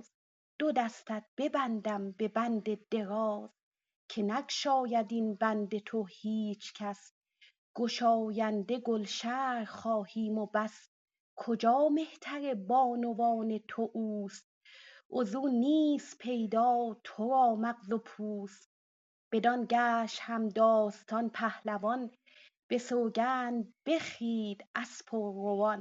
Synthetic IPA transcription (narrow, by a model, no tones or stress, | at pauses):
d̪̥od̪æst̪æt̪̚b̥e̞bænd̪æmbe̞bænd̪e̞d̪̥e̞ɾɒːz̥ | kʰe̞nækʃɒːjæd̪inbænd̪e̞t̪ʰohiːt͡ʃʰcʰæs | ɡ̥oʃɒːjænd̪e̞ɡolʃæːɾχɒːhiːmobæs | kʰod͡ʒɒːme̞ht̪ʰæɾe̞bɒːnovɒːne̞t̪ʰoʔuːst̪̚ | ʔozuːniːspʰe̞jd̪ɒːt̪ʰoɾɒːmæqzopʰuːs | b̥e̞d̪ɒnɟæːʃt̪hæmd̪ɒːst̪ʰɒnpʰæhlævɒn | b̥e̞soːɡæːnb̥e̞χiːd̪æspʰoɾovɒn